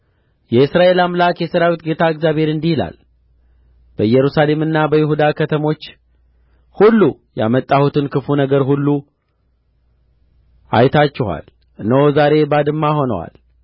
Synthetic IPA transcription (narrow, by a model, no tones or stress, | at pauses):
jɛɨsɾaʔe̞lamlakjɛsəɾawit̪ɡe̞t̪ʰaɨɡzjaβhe̞ɾɨnd̪ihila̰l | b̥əɨjːɛɾusale̞mɨnːabəjɪhud̪akʰət̪ʰəmo̞t͡ʃː | hulːu | ja̰mət̪ʼːahut̪ʰɨnkɨfunəɡəɾɦulːu | a̰jt̪ʰat͡ʃːɪha̰l | nəwzaɾe̞bad̪ɨmːaho̞nə̰wa̰l